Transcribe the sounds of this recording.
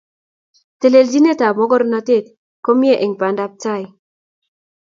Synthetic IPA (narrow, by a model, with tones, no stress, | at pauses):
te˨le˨ld͡ʒi˦ne˦ta˨mɔ˦ɡɔ˦ɾna˦te˦˨t̚ | ko˦mi˦e˦˨ʔe˨ŋpa˨nda˦p̚ta˦˨j